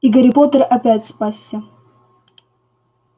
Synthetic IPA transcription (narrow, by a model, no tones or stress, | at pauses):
iɡəɾʲɪpot̪ərɐpʲætʲspasʲːə